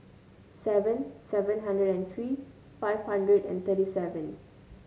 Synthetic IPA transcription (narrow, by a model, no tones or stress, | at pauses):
sɛvə̃nsɛvə̃nɦãndɹədɛ̃nt̪ʰɹiː | faɪv̥hãndɹədɛ̰̃nt̪ʰəɾisɛvə̃n